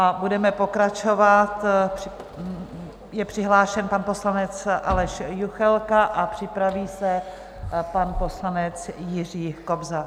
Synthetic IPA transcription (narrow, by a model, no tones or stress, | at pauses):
ʔabudɛmɛpo̞kɾat͡ʃovat̪prɪ | jɛpr̝̥ɪɦlaːʃɛnpanpo̞slanɛt͡sʔalɛʃjuxɛlkaʔapr̝̥ɪpɾaviːsɛ | panpo̞slanɛt͡sjɪr̝iːko̞bza